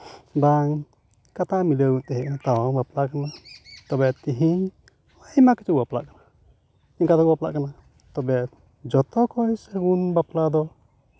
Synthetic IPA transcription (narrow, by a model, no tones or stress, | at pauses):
baŋ | kat̪amiləɡunt̪ɛɦɛʔnat̪awɔŋbaplakanat̪ɔbɛt̪iɦiɲ | majmakɛ̥t͡ʃubapla̰ʔkana | iɲkat̪ɔbapla̰ʔkana | t̪ɔbɛ | d͡ʒɔt̪ɔkɔjsɛɡunbaplad̪ɔ